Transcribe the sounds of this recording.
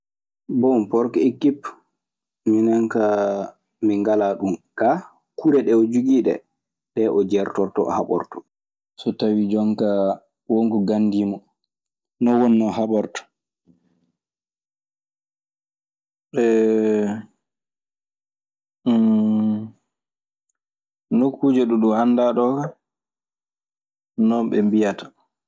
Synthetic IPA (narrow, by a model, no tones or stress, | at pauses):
bɔmpɔɾkɛikːip | minaŋka | miŋɡalaɗumka | kuɾɛɗɛɔd͡ʒuɡiɗɛ̰ | ɗɛʔɔd͡ʒɛɾtɔɾtɔ̰ɔ̰haɓɔ̰ɾtɔ̥ | sɔtawid͡ʒɔŋka | woŋɡuɡanːdimɔ | nɔwɔnːɔɦaɓɔɾtɔ̥ | ɓɛ | nokːuːd͡ʒɛɗuɗumanːdaɗɔka | nɔmɓɛmbijatḁ